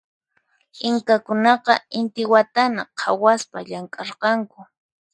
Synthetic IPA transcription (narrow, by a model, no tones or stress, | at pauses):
ɪŋkakʊnɑqɑɪnt̪ɪwat̪anaqʰawaspaʎaŋkʼɑɾqɑŋkʊ